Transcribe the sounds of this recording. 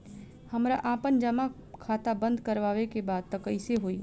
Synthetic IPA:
həmɾaʔaːpənd͡ʒəma | kʰaːt̪abə̃nd̪kəɾʋaːʋekebaːd̪̚t̪əkəɪseɦoi

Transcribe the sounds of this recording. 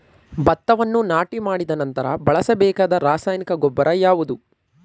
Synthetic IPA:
bɐt̪ːɐʋɐnːunaːʈimaːɽid̪ɐnɐnt̪ɐɾɐ̰bɐɭɐsɐbɛːkaːd̪ɐɾaːsaːjnikɐɡɔbːɐɾɐjaːʋud̪u

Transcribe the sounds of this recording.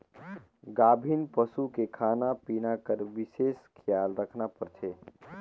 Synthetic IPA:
ɡaːbʱinpəsukekʰaːnapiːnakəɾʋɪseːskʰjaːlɾəkʰnapəɾt͡ʃʰeː

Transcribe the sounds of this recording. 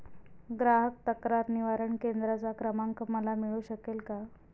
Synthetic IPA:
ɡɾaɦək̚t̪əkɾaɾniʋaɾəɳkend̪ɾat͡sakɾəmaŋkəməlamiɭuɕəkelka

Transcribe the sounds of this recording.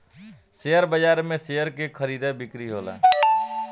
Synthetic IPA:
sejəɾbəd͡ʒaːɾmẽsejəɾkekʰəɾiːd̪abɪkɾiɦoːla̰ː

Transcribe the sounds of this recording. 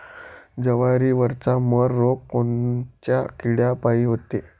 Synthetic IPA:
d͡zəʋaɾiːʋəɾt͡saməɾːokkːont͡ɕjakiɽjapaɦiːɦot̪e

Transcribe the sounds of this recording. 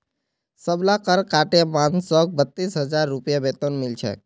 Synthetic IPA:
səblakəɾkaʈemansɔk̚bət̪ːisɦəd͡ʒaɾːupijabet̪onmɪlt͡ʃʰḛ

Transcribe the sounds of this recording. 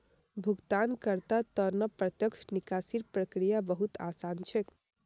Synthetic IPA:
bʱuɡt̪ankəɾt̪at̪əɾnəpɾət̪jəkʃnikasiɾpɾəkɾijabəɦut̪asant͡ʃʰɛk

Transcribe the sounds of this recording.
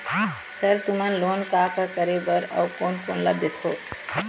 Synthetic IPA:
səɾt̪umənloːnkaːkakəɾebəɾɔ̰koːnkoːnləbet̪ɦoː

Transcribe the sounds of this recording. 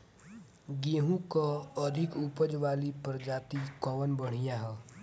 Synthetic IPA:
ɡeːɦũkaəd̪ʱɪkupəd͡ʒʋaːlipəɾd͡ʒaːt̪ikɔːʋənbəɽ̤ijaɦɛː

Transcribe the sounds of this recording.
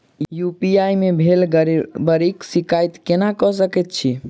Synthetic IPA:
jupiajmebʱelbəɾiksikajt̪kenakɔsəkɛt̪̚t͡ʃʰi

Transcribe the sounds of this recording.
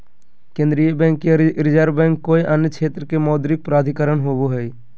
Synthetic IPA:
kẽnd̪ɾijəbɛ̃ːŋkːeɾɪd͡ʒəɾbɛ̃ːŋkːoːiʔənjət͡ʃʰeːt̪ɾkemɔːd̪ɾɪk̚pɾaːd̪ʱikəɾəɳɦoːboɦɛi

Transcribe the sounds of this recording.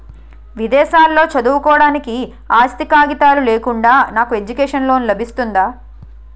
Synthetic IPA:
ʋid̪ɛːʃaːlːo̞ːt͡ʃɐd̪uwukɔːɽaːniki | aːst̪ikaːɡit̪aːluleːkuɳɖaːnaːkue̞d͡ʒukɛːʂɐnloːnulɐbʱist̪und̪aː

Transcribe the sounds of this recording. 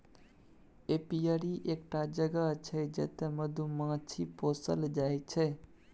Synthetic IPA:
epijəɾiʔek̚ʈad͡ʒəɡət͡ʃʰɛd͡ʒḛt̪eməd̪ʱumãt͡ʃʰiposəld͡ʒajt͡ʃʰɛ

